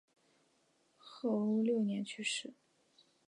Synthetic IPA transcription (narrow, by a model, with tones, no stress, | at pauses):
xɤ˥˩u˥˧ljo˥˩ʊnjɛ˧˥nt͡ɕʰy˥˧ʂɻ̩˥˩˦